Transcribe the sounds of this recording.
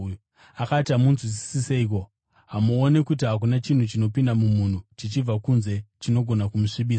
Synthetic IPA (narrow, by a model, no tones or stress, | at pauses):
akatiamunzwis̬i̥siseik̬o̞ | ɦamuone̞kutiɦak̬unat͡ʃin̤ut͡ʃino̞pindamumun̤ut͡ʃit͡ʃib͡vakunze̞t͡ʃino̞ɡʱo̞nakumuʂiɓiːsa